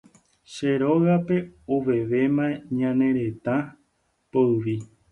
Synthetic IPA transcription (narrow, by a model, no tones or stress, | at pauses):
ʃeɾoɣape̞oʋe̞ʋe̞mãẽɲãnẽ̞ɾe̞t̪ã | poɨʋi